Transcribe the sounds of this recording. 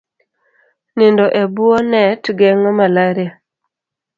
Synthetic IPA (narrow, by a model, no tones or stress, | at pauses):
nɪndɔʔebuonɛtɡɛŋɔmalaɾia